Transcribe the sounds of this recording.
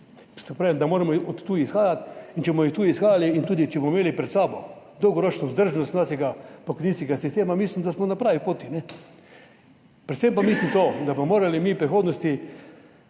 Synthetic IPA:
t̪ɔpɾaːʋimd̪amoːɾamɔɔt̪ːuːisxaːjat̪int͡ʃɛsmɔjixt̪uːisxaːjaliint̪uːd̪it͡ʃɛbmɔmeːlipɾɛt̪saːbɔd̪ɔwɡɔɾoːt͡ʃnɔzd̪əɾʒnɔst̪naːʃɛɡapɔkɔjninskɛɡasist̪eːmamislimd̪asmɔnapɾaːʋipoːt̪inɛ | pɾɛt̪sempamislimt̪od̪abmɔmoːɾalimipɾixoːd̪nɔst̪i

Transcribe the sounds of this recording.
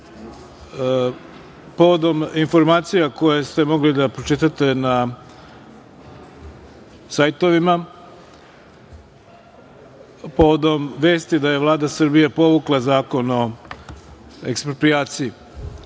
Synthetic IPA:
po̞ʋod̪o̞minfo̞ɾmaːt̪sijako̞jest̪e̞mo̞ɡlid̪apɾot͡ʃit̪at̪e̞na | sajt̪o̞ʋima | po̞ʋod̪o̞mʋe̞ːst̪id̪aje̞ʋlˠaːd̪asɨr̩bijepo̞ʋuklˠazaːko̞no̞ | ekspɾopɾijaːt̪siji

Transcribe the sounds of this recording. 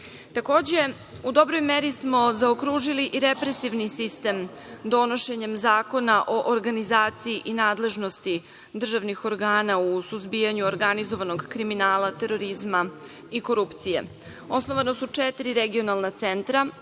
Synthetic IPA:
t̪ako̞ːd͡ʑe̞ | ud̪o̞bɾo̞jmeɾismo̞zaokɾuʒiliʔiɾepɾe̞siʋnisist̪em | d̪o̞no̞ʃe̞ɲe̞mzaːko̞naʔo̞ʔoɾɡanizaːt̪sijiʔinaːd̪le̞ʒno̞st̪i | d̪r̩ʒaʋnixo̞ɾɡaːnausuzbijaɲuoɾɡanizo̞ʋanoɡkɾiminaːlat̪e̞ɾo̞ɾizma | iko̞ɾupt̪sijḛ | o̞snoʋanosut͡ʂet̪iɾiɾeɡio̞nalˠnat̪sent̪ɾa

